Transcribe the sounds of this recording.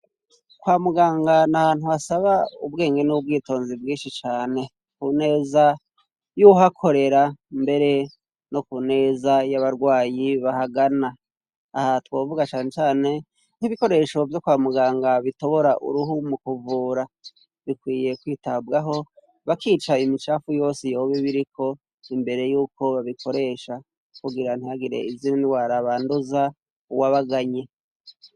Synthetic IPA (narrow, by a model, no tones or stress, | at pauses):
kwaːmuɡaːŋɡanaβaːn̥huasaβaubɡe̞ːŋɡe̞nub̚ɡiːto̞ːnzibɡiːnʃit͡ʃaːne̞ | kune̞ːza | juɦakʰo̞ɾe̞ɾambe̞ɾe̞ | nokune̞ːzajaβaɾɡwaːjiβahaɡanaː | hatwoːvuɡat͡ʃaːnet͡ʃaːne̞ | n̥hiβiko̞ɾe̞ʃo̞vjokwaːmuɡaːŋɡaβito̞βo̞ɾaʔṵɾuɦumukuvuːɾa | βikwiːje̞kwiːtabɡaɦo̞ | βakiːt͡ʃaimit͡ʃaːfujo̞ːsijo̞ːβiβiɾikʰo̞ | imbe̞ɾe̞juːko̞βaβikʰo̞ɾe̞ʃa | kuɡiɾan̥ijaɡiɾe̞̰izinaniwaɾaβaːnduza | uwaβaɡaɲe̞